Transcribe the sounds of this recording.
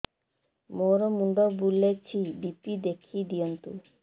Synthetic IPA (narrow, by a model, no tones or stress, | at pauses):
moɾɔmund̪ɔbulːet͡ʃʰibipid̪ekʰid̪ijɔnt̪u